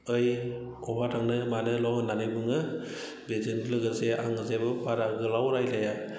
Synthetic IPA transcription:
ɯjkɔbatʰaŋnɯmanɯlɔŋnanɯjbɯŋɯ | bezɯnlɯɡɯɾseʔa̰ŋɯzebɯpaɾaɡɯlawɾajlaja

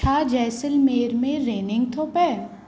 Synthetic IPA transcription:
aːd͡ʒɛːsɪlmeːɾmẽɾeːnɪ̃ŋɡ̚t̪ʰoːpɛːɾ

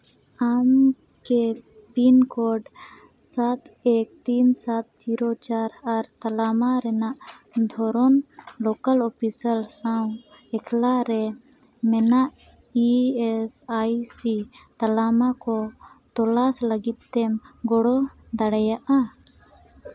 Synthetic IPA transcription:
am | kɛ | pinkɔɾɖ | sat̪ɛk̚t̪insat̪̚t͡ʃiɾɔt͡ʃaɾaɾt̪alamaɾɛnaʔ | d̪ʱɔɾɔnlɔkalɔpʰisalsaw | ɛkʰlaɾɛ | mɛnaʔ | iɛsajsit̪alamakɔt̪ɔlasləɡit̪̚t̪ɛmɡɔɽɔ | d̪aɽajaʔa

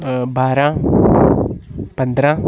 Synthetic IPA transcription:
baːɾã | pə̃nd̪ɾã

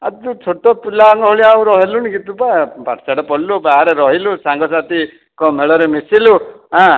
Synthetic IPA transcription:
at̪ut͡ʃʰoʈɔpulaŋɡɔɦoɭiauɾɔɦelunikit̪upaebaʈsaɽɔpɔɽlubaɦaɾeɾɔɦilusaŋɡɔsat̪i | kɔmeɭɔɾemesiluɦã

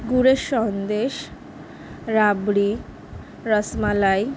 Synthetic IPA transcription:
ɡuɽeʃɔnd̪eʃ | ɾabɽi | ɾəsmalaj

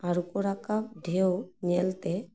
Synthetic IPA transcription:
aɾukɔɾakapɖʱewɲɛlt̪ɛ

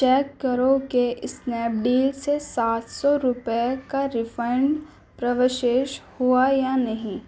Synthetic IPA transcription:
t͡ʃɛːkːɐɾõkeʔɪsnɛːp̚ɖiːlsesaːt̪ʰsɔɾʊpkaɾɪfʰəɪɳ | pɾɐʋɪʃeːʃhuajanɐɦĩ

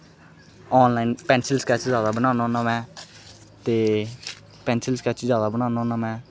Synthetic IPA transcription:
ɔːnlaːinpɛ̃ːnsɪlskɛːt͡ʃzjaːd̪aːbənaːnãːnaːmɛ̃ː | t̪eː | pɛ̃ːnsəlskɛːt͡ʃzjaːd̪aːbənaːnãːnaːmɛ̃ː

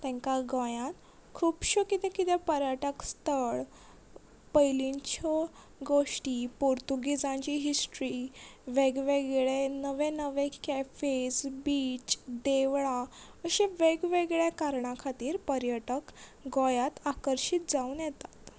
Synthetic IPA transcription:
t̪ɛ̃ŋkaɡɔ̃jãn | kʰuːbɕokit̪ɛ̃kit̪ɛpəɾjəʈəkst̪əɭ | pəjliɲt͡ɕɔ | ɡoʂʈiːpoɾt̪uɡid͡zãɲt͡ɕiːɦisʈɾiʋeɡʋeɡɭenəʋẽnəʋekæfed͡zbiːt͡ɕd̪eʋɭa | əɕeʋeɡʋeɡɭjakaɾɳãkʰat̪iːɾpəɾjəʈəkɡɔjat̪akəɾɕiːt̪̚d͡zauːnjɛt̪ḁt̪

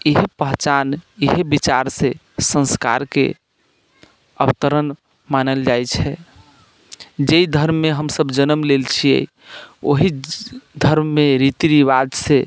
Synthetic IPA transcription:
iɦepəɦt͡ʃaniɦebit͡ʃaɾse | sə̃nska̰ɾkḛ | ə̰bt̪əɾən | manəld͡ʒajt͡ʃʰɛ | d͡ʒeid̪ʱəɾmːeɦəmsəbd͡ʒənəmlelt͡ʃʰiḛ | o̰ɦid̪ʱəɾmːeɾit̪iɾiβad̪se

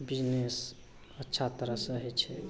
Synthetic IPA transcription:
bid͡ʒnes | ətːʃʰat̪əɾəsə̃ɦɛt͡ʃʰɛ

